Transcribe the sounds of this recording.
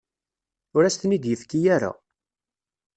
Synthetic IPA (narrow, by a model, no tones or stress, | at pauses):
ʊɾæst̪nid̪jəfkːijaɾa̰